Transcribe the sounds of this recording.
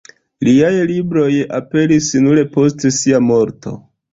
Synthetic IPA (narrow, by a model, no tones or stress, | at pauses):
liajlibɾo̞ja̰pe̞lisnule̞po̞stsiamo̞ɾto̞̰